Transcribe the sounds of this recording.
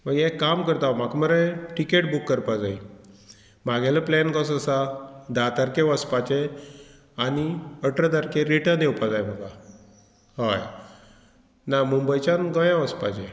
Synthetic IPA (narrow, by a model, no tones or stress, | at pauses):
məɡɛkamkəɾt̪aʋm̤akməɾeʈikeʈ̚bukːəɾpad͡zai | m̤aɡɛləplɛnkɔs̬əsad̪at̪aɾkeʋəspat͡ɕe | aniəʈɾəd̪aɾkeɾiʈənewpad͡zajm̤əka | hɔj | namumbəjt͡ɕanɡəjãʋəspat͡ɕe